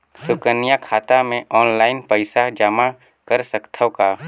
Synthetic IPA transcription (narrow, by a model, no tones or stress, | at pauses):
sʊkənijakʰaːt̪amẽʔɔːnlaːɪnpəɪsad͡ʒama | kəɾsəkt̪ʰəwka